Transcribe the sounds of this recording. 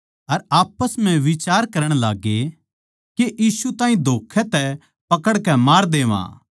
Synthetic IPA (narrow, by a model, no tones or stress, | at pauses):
ɐɾaːpəsm̤ɛ̃ʋɪt͡ʃaːɾkɐɾəɽ̃laːɡe | keʔiːsut̪ãːɦĩd̪ʱoːkʰɛt̪ɛ | pɐkəɽkɛmaːɾd̪eːʋã̰ː